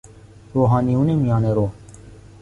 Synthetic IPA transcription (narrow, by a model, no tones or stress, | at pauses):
ɾoːɦaːniunemijãːneːɾoː